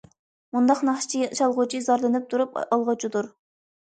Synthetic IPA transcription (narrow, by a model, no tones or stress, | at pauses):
mund̪ɑqnɑχʃi̥t͡ʃʰiʃɑlˠʁʊt͡ʃʰizɑɾlˠɨnɨp̚t̪ʰuɾupɑlˠʁət͡ʃʰid̪uɾ